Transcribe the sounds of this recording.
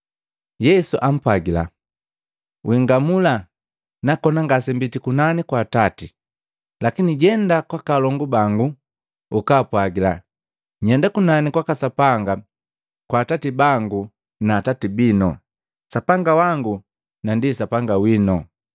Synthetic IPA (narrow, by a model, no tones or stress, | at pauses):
jɛsuʔam̩pwaɡila̰ | wʔiŋɡamula | nakɔnaŋɡasɛmbitikunanikwaːtati | lakiniɟɛndakwakalɔŋɡubaŋɡu | ukaːpwaɡila̰ | ɲɛndakunanikwakasapaŋɡa | kwaːtatibaŋɡu | naːtatibinɔ̰ | sapaŋɡawaŋɡu | nandisapaŋɡawinɔ